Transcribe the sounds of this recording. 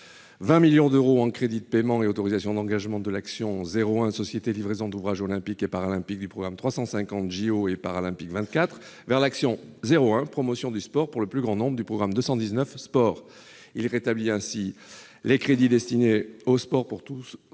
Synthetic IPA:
vɛ̃miljɔ̃d̪øʁoɑ̃kχed̪id̪əpemɑ̃eot̪ɔʁizasjɔ̃d̪ɑ̃ɡaʒmɑ̃d̪əlaksjɔ̃zeʁoɛ̃sɔsjet̪elivʁezɔ̃d̪uvʁaʒolɛ̃pikepaʁalɛ̃pik̚d̪ypχɔɡʁamt̪χwasɑ̃sɛ̃kɑ̃t̪ʒioepaʁalɛ̃pikvɛ̃t̪kat̪χ | vɛʁlaksjɔ̃zeʁoɛ̃pχɔmɔsjɔ̃d̪yspɔʁpuʁləplyɡʁɑ̃nɔ̃bʁəd̪ypχɔɡʁamd̪øsɑ̃d̪iznœfspɔʁ | ilʁet̪abliɛ̃si | lekχed̪id̪ɛst̪ineospɔʁpuʁt̪us

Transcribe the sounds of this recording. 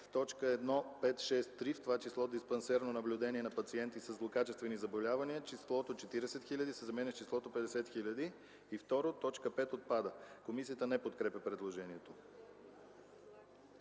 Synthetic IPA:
ft̪ɔt͡ʃkəɛd̪nɔpɛt̪ʃɛst̪ːɾift̪ovat͡ʃislˠɔd̪ispɛnsɛɾnonɐblʲʊd̪ɛniɛnɐpɐt̪siɛnt̪isəzlˠokat͡ʃɛst̪vɛnizɐbolʲavɐniət͡ʃislˠɔt̪ot͡ʃɛt̪iɾɛsɛt̪xilʲəd̪isɛzɐmɛnɛt͡ʃislˠɔt̪opɛd̪ɛsɛt̪xilʲəd̪iː | ft̪ɔɾot̪ɔt͡ʃkəpɛt̪ot̪̚pad̪əkomisiət̪ənɛpot̪kɾɛpʲəpɾɛd̪lˠoʒɛniɛt̪o

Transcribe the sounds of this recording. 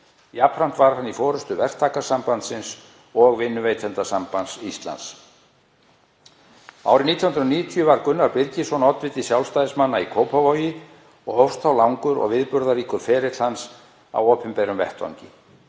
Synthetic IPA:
japʰɾan̥t̪vaɾ̥hanːifɔːɾʏst̪ʏvɛr̥t̪ʰaːkasampant̪sɪns | ɔɣvɪnːʏveːjt̪ʰɛnt̪asampansist̪la̰ns | a̰wɾɪniːt̪ʰjahʏnɾɔniːʏt̪ʰjʏvaɾkʏnːaɾpɪɾcɪsɔnɔt̪vɪt̪ɪsjawlst̪ajðɪsmanːaikʰowpʰavojɪ | ɔɣhowfst̪ʰawlawŋkʏɾɔ̰ɣvɪðpʏɾðaɾiːkʏɾ̥fɛːɾɪt̪l̥hans | a̰woːpʰɪmpeːɾʏmvɛ̰ht̪va̰wŋɲcɪ

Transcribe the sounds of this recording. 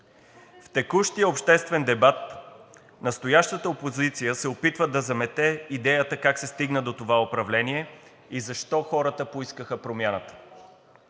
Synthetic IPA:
ft̪ɛkuʃt̪ijəopʃt̪ɛst̪vɛnd̪ɛbat̪̚ | nɐst̪ojaʃt̪ət̪əopozit̪sijəsɛopit̪vəd̪ɐzɐmɛt̪ɛid̪ɛjət̪əkaksɛst̪iɡnəd̪ot̪ovaopɾɐvlɛniɛ | izɐʃt̪ɔxɔɾət̪əpoiskəxəpɾomʲjanət̪ə̥

